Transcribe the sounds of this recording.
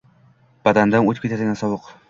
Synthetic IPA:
b̥ad̪and̪anot̪ʰɪ̥pkʰʲet̪ʰat̪aɡʲansɒwʊq

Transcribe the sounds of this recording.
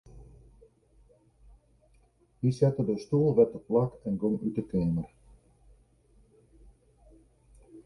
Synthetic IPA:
hisɛtədəstulˠʋɛt̚dəplakɛnɡomytəkɛːmər

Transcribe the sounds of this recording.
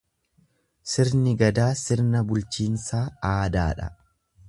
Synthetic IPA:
sɪɾnɪɡɐd̪aːsɪɾnɐbʊlt͡ʃiːnsaːaːd̪a̰ːᶑɐ̰

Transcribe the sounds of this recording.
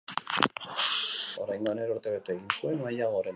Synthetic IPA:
o̞ɾajŋɡoaneɾoɾt̪eβet̪eeɣinsue̞najaɣo̞ɾe

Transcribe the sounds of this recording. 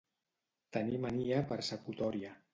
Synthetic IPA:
t̪ənimaniəpəɾsəkut̪ɔɾiə

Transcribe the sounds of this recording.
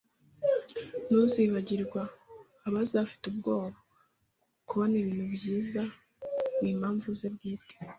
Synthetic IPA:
nuziβaɟiɾɡwaː | βazafi̥tub̚ɡo̞ːβa | kuβoniβiːn̥hubjiːza | niːmhaːɱvuzebɡiːte̥

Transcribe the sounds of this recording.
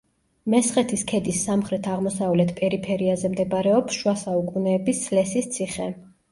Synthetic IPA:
mɛsχʼɛt̪ʰiskʰɛd̪isːamχɾɛt̪ʰaʁmɔsavlɛt̪ʰpʼɛɾipʰɛɾiazɛmd̪ɛbaɾɛɔpsʃwasaukʼunɛːbisslɛsist̪sʰiχɛ

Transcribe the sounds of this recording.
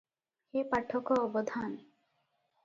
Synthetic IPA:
hepaʈʰːɔkɔɔbod̪ʱan

